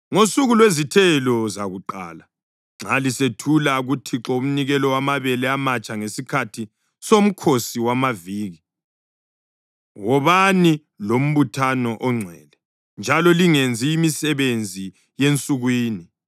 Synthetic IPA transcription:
ŋosuɣulwezitʰɛlɔzaɣuǃa̰ːla | ŋ͡ǁalisetʰulaɣutʰiǁɔum̩niɣɛlɔwamaβɛlɛamat͡ʃʼaŋesikʰatʰi | som̩kʰosiwamaviːɣi | wɔβani | lom̩βutʰanɔʔɔŋ͡ǀʱwɛ̰ːlɛ | nd͡ʒʱalɔliŋend͡zʱiːmisɛβend͡zʱi | jent͡sʼuɣwiːni

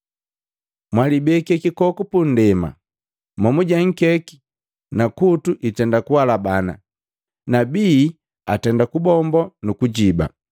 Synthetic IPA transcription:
mwalibɛkɛkikɔkɔpun̩dɛma̰ | mɔmuɟaŋ̩kɛki̥ | nakutuʔitɛndakuwalabana̰ | nabiː | atɛndakubɔmbɔnukuɟiba̰

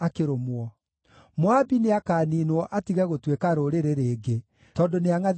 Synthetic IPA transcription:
akeɾomwɔ | moabineakaːniːnwɔʔatiɣɛɣotwekaɾoɾeɾeɾeːɡe | tɔːndoneaŋa

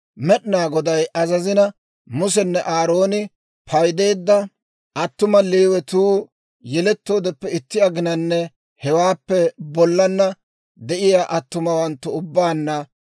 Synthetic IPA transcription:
mɛɗɪnaːɡɔd̪ɐjʔɐzɐzɪnɐ | mʊs̬ɛnːɛʔaːɾo̞ːnɪ | pʰɐjd̪e̞ːd̪ːɐ | ʔɐt̪ːʊmɐliːwɛt̪uː | jɛlɛt̪ːo̞ːd̪ɛpːɛɪt̪ːɪɐɡɪnɐnːɛ | hɛwaːpːɛbɔlːɐnːɐ | d̪ɛʔɪjaːʔɐt̪ːʊmɐwɐnt̪ːʊʊbːaːnːɐ

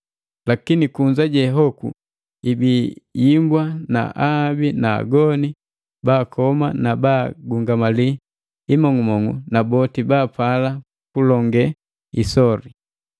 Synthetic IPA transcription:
lakinikuɲd͡ʒaɟɛɦɔkṵ | ibijimbwana̰ʔabina̰ːɡɔni | baːkɔma̰nabaɡuŋɡamali | imɔŋumɔŋṵnabɔtibaːpala | kulɔŋɡɛ | isɔɾi

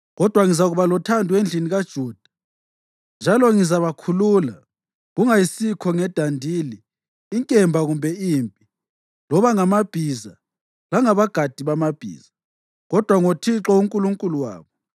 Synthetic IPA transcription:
ɣɔd̥ʱwaŋizaɣuβalɔtʰandʱuwend͡ɮʱiniɣad̥ʒ̥ʱuːd̥ʱḁ | nd͡ʒʱalɔŋizaβakʰulula | ɣuŋajisikʰɔŋɛd̥ʱandʱiːliː | ŋkʼɛmbʱaɣumbʱɛiːmpʼi | lɔβaŋamab̥ʱiza | laŋaβaɡ̥ʱad̥ʱiβamab̥ʱḭːz̥a | ɣɔd̥ʱwaŋotʰiǁɔuŋkʼuluŋkʼuluwa̰ːβɔ

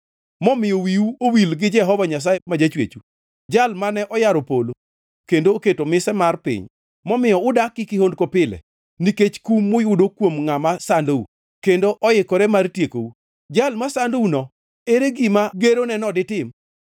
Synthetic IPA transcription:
mɔmɪjowiuowilɡɪd͡ʒɛɦɔvaɲas̬aemad͡ʒat͡ʃwḛt͡ʃu | d͡ʒalmanɛʔɔjaɾopolo | kendoːketomɪsɛmarpɪ̰ɲ | mɔmɪjɔʊdakːɪkɪhondkopɪlɛ̰ | niket͡ʃkumːʊjʊdokwomŋamasandoṵ | kendoʔɔjɪkɔɾɛmartjeko̰u | d͡ʒalmasandounɔ | eɾeɡimaɡeɾonɛnɔdɪtɪm

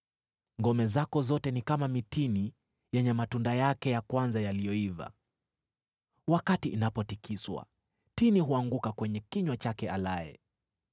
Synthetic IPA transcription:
ŋɡɔmɛzakɔzɔtɛnikamamitini | jɛɲɛmatundajakɛjakwanzajalijɔiva̰ | wakatiʔːnapɔtikiswa̰ | tiniɦuaŋɡukakwɛɲɛkiɲwat͡ʃakɛalaɛ̰

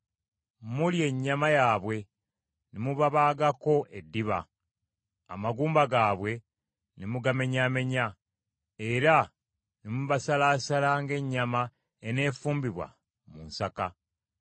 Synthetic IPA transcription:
mulje̞ɲːamajaːβwe̞ | nimuβaβaːɡako̞ʔedːiβa̰ | a̰maɡuːmbaɡaːβwe̞ | nimuɡame̞ɲaːme̞ɲa | e̞ɾa | nimuβasalaːsalaːŋɡe̞ɲːama | ene̞ːfuːmbiβwa̰ | munsaka

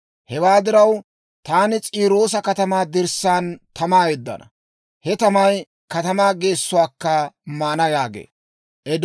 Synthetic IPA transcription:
hɛwaːd̪ɪɾɐw | t̪aːnɪt͡sʼiːɾo̞ːsɐkɐt̪ɐmaːd̪ɪɾsaːnt̪ɐmaːjɛd̪ːɐ̰nɐ | hɛt̪ɐmɐj | kɐt̪ɐmaːɡe̞ːsːʊwaːkːɐmaːnɐjaːɡḛː | ʔɛd̪

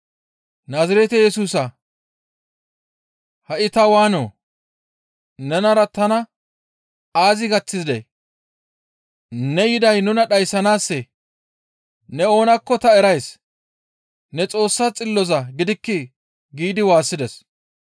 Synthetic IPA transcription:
naːzɐɾɛt̪ɛjɛsuːsɐ | hɐʔɪt̪ɐwaːnoː | nɛnɐɾɐt̪ɐnɐ | aːzɪɡɐt͡sːɪzd̪ɛ̰j | nɛjɪd̪ɐjnʊnɐɗɐjsːɐnaːsːɛ | nɛo̞ːnɐkːɔt̪ɐɛɾɐjs | nɛt͡sʼo̞ːsːat͡sʼɪlːɔzɐɡɪd̪ɪkːɪ | ɡiːd̪ɪwaːsːɪd̪ɛs

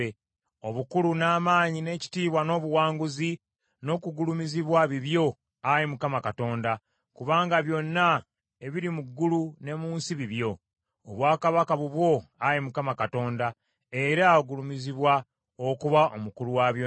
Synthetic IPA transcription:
e | oβukulunaːmaːɲine̞ːci̥tiːβwano̞ːβuwaːŋɡuzi | no̞ːkuɡulumiziβwaβiβjo̞ | aɾimukamakato̞ːnda | kuβaːŋɡaβjo̞nːa | e̞βiɾimuɡːulune̞muːnsiβiβjo̞ː | βwaːkaβakaβuβwo̞aɾimukamakato̞ːnda | e̞ɾaɡulumiziβwa | okuβaʔomukuluwaβj

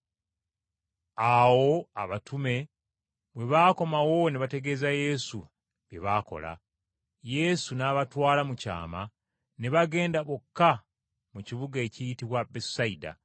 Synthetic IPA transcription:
awo̞aβatume̞ | βwe̞βaːko̞mawo̞neβate̞ɡe̞ːzaje̞su | βjḛβako̞̰la̰ | je̞sunaːβatwaːlamuca̰ːma | ne̞βaɡe̞ːndaβokːa | muciβuɡae̞cijitiβwabesaida̰

